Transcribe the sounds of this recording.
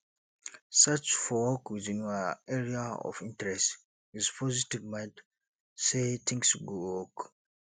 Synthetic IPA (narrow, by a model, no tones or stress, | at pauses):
sat͡ʃfɔwɔkwiðĩnaɛɹiaɔ̰vĩntɹɛst | hizpʰɔzitivmãjnd | setʰĩŋsɡowɔk